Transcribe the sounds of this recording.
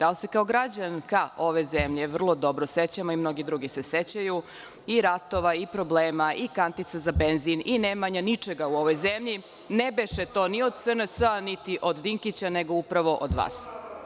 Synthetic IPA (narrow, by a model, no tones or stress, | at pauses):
d̪̥alsekaoɡɾad͡ʑankao̞ʋe̞zemʎeʋr̩lˠo̞d̪o̞bɾoset͡ɕamoimno̞ɡid̪ɾuɡise̞set͡ɕaju | iɾat̪o̞ʋaipɾo̞bleːmaʔikant̪it̪sazabenzininemaɲanit͡ʂeɡauo̞ʋo̞jzemʎi | nebeʃet̪o̞ːnio̞d̪sənəsanit̪iʔo̞d̪d̪iŋkit͡ɕaneɡo̞upɾaʋo̞ʔod̪ʋa̰ːs